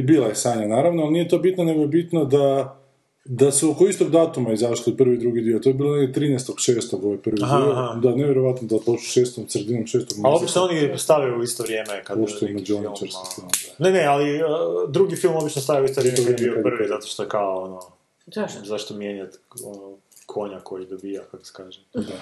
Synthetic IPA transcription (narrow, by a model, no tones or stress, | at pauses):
biːlˠajesaːɲanaːɾaʋnoalˠnijet̪o̞bit̪none̞ɡojebit̪nod̪a | d̪aseukoist̪oɡd̪aːt̪umaizaʃt̪opr̩ʋid̪ɾuɡid̪iot̪ojebiloneɡd̪ʲet̪ɾiːnɛst̪o̞ɡ̥ʃeːst̪oɡoʋojpr̩ʋid̪iod̪aneʋjeɾo̞ʋat̪nod̪aobit͡ʃo̥ʃeːst̪omsɾed̪inomʃeːst̪oɡmalobit͡ʃnoonist̪aʋjajuuist̪oʋɾjeːmekad̪post̪omed͡ʒuonit͡ʃɾskfilmnenealiəːd̪ɾuɡifilˠmobit͡ʃnost̪ajauist̪oɾisoɾemeiokad̪prʋezat̪o̥ʃt̪oekaoono | zaʃt̪omjeɲat̪ | ono | kʰoɲakojid̪obijakako̥se̥kaːʒemd̪a